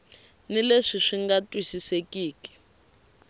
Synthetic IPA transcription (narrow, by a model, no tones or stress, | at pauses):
nileʂiʂiŋɡatʼwisisekʼiːki̥